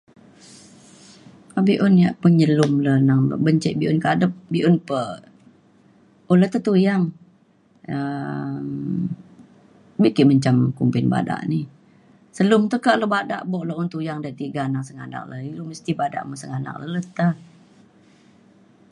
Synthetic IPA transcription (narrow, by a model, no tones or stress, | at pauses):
abiʔʊnjaʔpəɲəlʊmlənaŋ̰bəɲt͡ʃɛʔbiʔʊnkadəp̚biʔʊnpə | ulət̪ət̪ujaŋ | əm | bikiʔməɲt͡ʃamkumpɪnba̰da̰ʔni | səlʊmt̪əkaʔləbada̰ʔboʔloʔunt̪ujaŋdaiʔt̪iɡanaŋsəŋa̰na̰k̚ləiluməst̪ibada̰ʔməsəŋana̰k̚lə̰lət̪ə